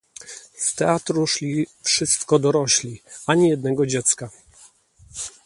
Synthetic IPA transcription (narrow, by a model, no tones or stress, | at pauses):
st̪ɛat̪ɾuʂlʲifʂɘst̪kɔd̪ɔɾɔɕlʲiaɲijɛd̪̚nɛɡɔd͡ʑɛt̪ska